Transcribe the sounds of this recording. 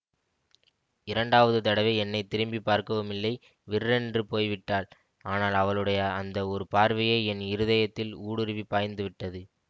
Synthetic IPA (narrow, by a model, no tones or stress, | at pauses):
ɪɾɐɳɖaːʋɐðɯt̪ɐɽɐʋeːɛnːɐɪt̪ːɪɾɯmbipːaːɾkɐʋɯmɪlːɐɪ | ʋɪɾɾɛndrɯpoːjʋɪʈːaːl | aːnaːlɐʋɐɭɯɽɐjɐɐnd̪ɐɔɾɯpaːɾʋɐjeːɛnɪɾɯðɐjɐt̪ːɪluːɽɯɾɯʋipːaːjnd̪ɯʋɪʈːɐðɯ